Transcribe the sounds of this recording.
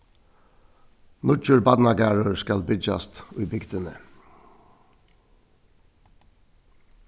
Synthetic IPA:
nʊt͡ʃʉɹbɑd̪nɑɡɑɹəɹskɑlbʏd͡ʒɑ̰st̪ʉʏbʏɡd̪ənə

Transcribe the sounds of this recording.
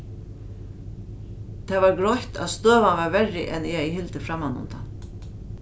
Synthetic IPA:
t̪ʰɛːvaɾɡɾɔht̪a̰ðst̪øːʋanvavɛɹɪ̰ʔɛnɛɛhɪlt̪əfɾamːanʊ̰mt̪ʰa̰n

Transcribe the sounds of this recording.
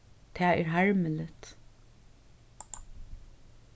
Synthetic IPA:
t̪ʰæːæːɹɦæɹməlɪt̪

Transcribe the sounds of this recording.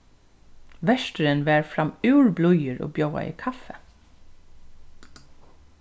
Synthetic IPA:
ʋɛʃtəɾənʋæːɹfɾɑmʉːɹblʊjəɹo̰ːbjoʊa̰ḭːkʰɑfə

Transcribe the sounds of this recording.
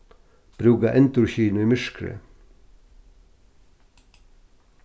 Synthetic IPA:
b̥ɾʉːɡɑʔɛnt̪ʊçiːnʊiːmʏʃkɾə̰

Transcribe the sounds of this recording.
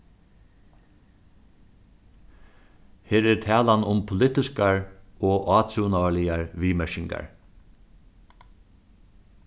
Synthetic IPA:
heːɾæɾt̪ʰæːlanʊmpʰʊlɪt̪ɪskaɹoːʔɑːt̪ʰunawalɪjaɹʋiːmɛʃɪŋka̰ɹ

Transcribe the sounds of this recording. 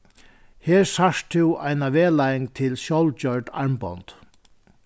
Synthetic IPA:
heːɹsaʂt̪ʰɪwajnaʋɛːlajɪŋt̪ʰɪlɕɔwlt͡ɕœɹʈa̰ɹmpɔ̰nt̪

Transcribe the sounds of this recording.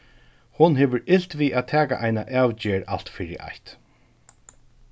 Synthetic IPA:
hʊnɦɛːʋəɹɪl̥t̪ʋiːʔaːt̪ʰæːka̰ʔajnaʔæːwt͡ɕeːɹa̰l̥t̪fiːɾɪ̰ʔa̰jt̪

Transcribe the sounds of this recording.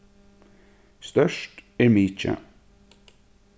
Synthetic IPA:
st̪œʃʈæːɾmiːt͡ʃə̰

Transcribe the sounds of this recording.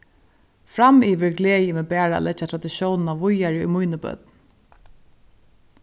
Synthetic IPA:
fɾamiːʋɪɹɡleːjɪmɛːbæːɾa̰ːlɛt͡ʃːat̪ʰɾad̪ɪʃjɔwnnaʋʊjaɾɪṵjmʊjnəbœ̰t̪n

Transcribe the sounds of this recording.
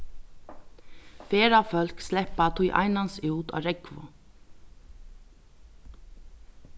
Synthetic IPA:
fɛːɾafœl̥kslɛhpat̪ʰujʔa̰jnansuːt̪a̰ːɾɛkvʊ̰

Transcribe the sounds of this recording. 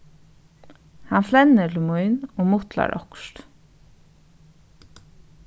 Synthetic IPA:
hanflɛnːɪɾlɪmʊjnɔmʊt̪la̰ɾʔɔ̰kʃt̪

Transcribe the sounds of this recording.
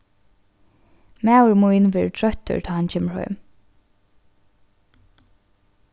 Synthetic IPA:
mæːʊɹmuɪnʋɛɹtʰɹœt̪ə̰ɹt̪ʰɑːhɑncʰeːməɹhœ̰ʏm

